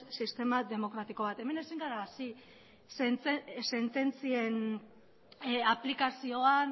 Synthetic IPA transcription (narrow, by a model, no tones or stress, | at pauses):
sist̪e̞mad̪e̞mo̞kɾat̪iko̞β̞at̪e̞me̞ne̞siŋɡaɾaːsi | sent͡sese̞nt̪e̞nt͡sie̞n | aplikasio̞an